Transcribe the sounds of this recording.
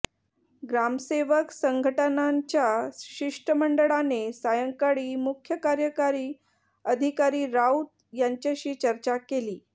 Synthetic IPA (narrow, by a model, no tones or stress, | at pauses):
ɡɾamseʋəksəŋɡʱəʈənaɲt͡ɕjaɕiʂʈəməɳɖəɭanesajəŋkaɽiːmukʰjəkaɾjəkaɾiː | əd̪ʱikaɾiːɾaut̪̚ | jaɲt͡ɕjaɕiːt͡ɕəɾt͡ɕakeliː